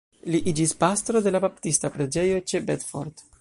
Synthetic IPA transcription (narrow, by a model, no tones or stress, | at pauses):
liʔid͡ʒispast̪ɾo̞d̪e̞labapt̪ist̪apɾe̞d͡ʒejo̞t͡ʃebet̪fo̰ɾd̪